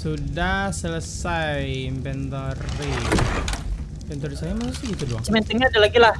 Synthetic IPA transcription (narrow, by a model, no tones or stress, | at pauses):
sudahsələsajmpɛnt̪ɔrːi | mpɛnt̪ɔɾisajamasusɡit̪udua̰t͡ʃəmɛnt̪əŋɲaadalaɡilah